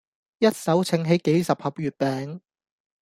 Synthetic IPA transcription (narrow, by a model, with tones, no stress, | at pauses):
jɐ˥t̚sɐ˨˥wt͡sʰɪ˨˥ŋɦe˨˥jke˨˥jsɐ˨p̚hɐ˨p̚ɥyː˨˩t̚pɛː˨ŋ